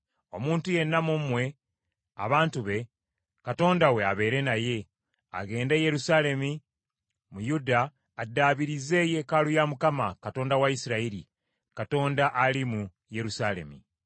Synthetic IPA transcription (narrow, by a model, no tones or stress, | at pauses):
o̞muːntuje̞nːamumwe̞ | a̰βaːntuβe̞ | kato̞ːndawe̞aβe̞ːɾe̞naje̞ | a̰ɡe̞ːndeje̞ɾusale̞mi | mujudaː | dːaːβiɾize̞je̞kalujamukamakato̞ːndawaisiɾaiɾḭ | kato̞ːndaʔalimu | je̞ɾusale̞̰mḭ